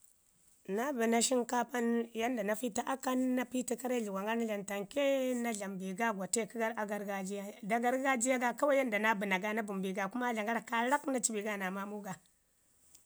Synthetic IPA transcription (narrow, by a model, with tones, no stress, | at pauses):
na˦bi˨na˨ʃi˦nka˦pa˦nja˦nda˨na˨fi˦ta˦ʔa˦ka˦nːa˦pi˦ti˦ka˦ɾa˦ɮi˨wa˨ŋɡa˦ɾna˦ɮa˨nta˨ŋke˦na˦ɮa˨mbi˨ɡa˦ɡʷa˨te˦˨ki˦ɡa˦ɾa˨ɡa˦ɾɡa˦d͡ʒi˦ja˦˨da˨ɡa˦ɾɡa˦d͡ʒi˦ja˦ɡa˨ka˦wa˦ja˦nda˨na˦bi˨na˨ɡa˦na˦bu˨mbi˨ɡa˨ku˦ma˦ɮa˨ŋɡa˦ɾa˨ka˦ɾa˦kna˦t͡ʃi˦bi˨ɡa˦na˨ma˦mu˦ɡa˨